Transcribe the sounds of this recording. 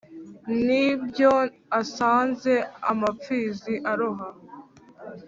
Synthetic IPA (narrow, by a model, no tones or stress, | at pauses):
nibjo | asaːnze̞a̰mafiːziʔaɾoɦa